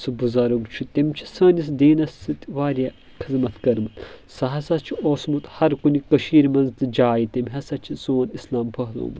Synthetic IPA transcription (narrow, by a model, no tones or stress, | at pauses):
sɨbuzɐɾuɡt͡ʃʰut̪emt͡ʃʰi̥sɐːnis̬d̪eːnɐsɨt̪ʲʋaːɾʲa | kʰizmɐt̪kɐɾmɨt̪sɐɦɐsɐt͡ʃʰioːsmut̪hɐɾkunikɐʃiːɾmɐnzt̪ɨd͡ʒaːjit̪emʲɦɐsɐt͡ʃʰizoːnislaːmpʰɐɦlo̰ːm